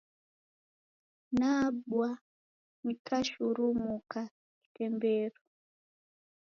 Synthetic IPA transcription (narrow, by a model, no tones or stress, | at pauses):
naɓwa | nikʰaʃuɾumukʰa | ki̥tɛmbɛɾɔ